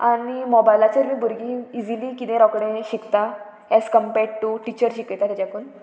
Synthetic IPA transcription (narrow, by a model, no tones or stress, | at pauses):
animɔbajlat͡ɕəɾmiːbʱuɾɡiid͡ziliːkit̪ẽɾɔkɽ̃ẽɕikt̪a | ɛskəmpɛɽʈuʈit͡ɕəɾɕikjt̪at̪jat͡ɕakuːn